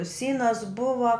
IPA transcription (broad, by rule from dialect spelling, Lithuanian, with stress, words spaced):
ˈsʲiːnɐs ˈbʊʋɐ